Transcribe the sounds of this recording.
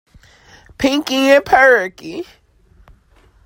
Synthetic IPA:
pʰɪ̃ŋkɪ̃ŋɛ̃pʰɛɹəki

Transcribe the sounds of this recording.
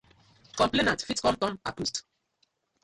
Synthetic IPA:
kɔ̃mplenãntfitkɔ̃mtɔ̃ma̰kust

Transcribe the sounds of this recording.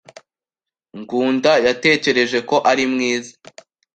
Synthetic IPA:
ŋɡuːndajate̞ːce̞ɾe̞ʒe̞ko̞ʔaɾimŋiːzḁ

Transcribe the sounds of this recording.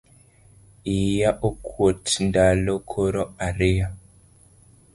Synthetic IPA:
ijaʔokʰwotndalokʰoɾɔaɾea

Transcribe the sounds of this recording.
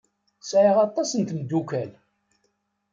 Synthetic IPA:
sʕiʁɑt̪ˤːɑsənt̪ənd̪ːukæl

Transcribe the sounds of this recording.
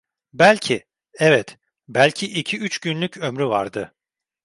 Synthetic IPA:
bælʲcʰi | ɛvɛt̪ | bælʲcʰiʔicʰiyt͡ʃɟynlʲycʰømɾyvaɾd̪ɯ

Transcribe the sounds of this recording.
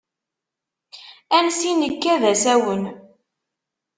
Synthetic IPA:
ænsinəkːæðæsæwən

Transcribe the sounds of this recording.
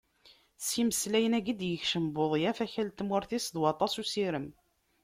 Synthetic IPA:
siməslæjənæɡid̪jəçʃəmboðˤjæfæçælt̪mwʊɾθisðwɑt̪ˤɑsusiɾəm

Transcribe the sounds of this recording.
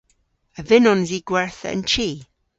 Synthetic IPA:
əvɪnɔnziːɡ̥wɛɹθə̰ə̰nt͡ʃʰiː

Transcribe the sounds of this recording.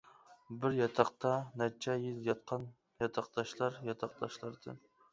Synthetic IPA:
bɪɾjɑt̪ʰɑqt̪ʰɑnɛt͡ʃʰɛjɪlˠjɑt̪̚qʰɑn | jɑt̪ʰɑq̚d̪̥ɑʃlˠɑɾjɑt̪ʰɑq̚d̪̥ɑʃlˠɑɾd̪̥ɨ̰n

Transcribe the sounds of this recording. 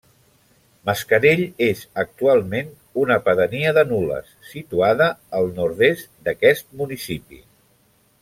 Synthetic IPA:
məskəɾeʎezək̚t̪ualˠmen | unəpəðəniəðənulə̰sːit̪uaðəːlˠnuɾðest̪d̪əkɛst̪̚munisipḭ

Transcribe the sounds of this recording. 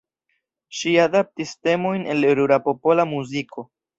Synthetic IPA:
ʃiadap̚tiste̞mo̞jne̞leɾuɾapo̞po̞lamuzikʰo̞

